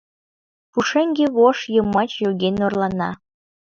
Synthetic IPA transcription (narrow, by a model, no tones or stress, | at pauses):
puʃeŋɡeβoʃjəmːɑt͡ɕjoɣenorlɑnɑ̰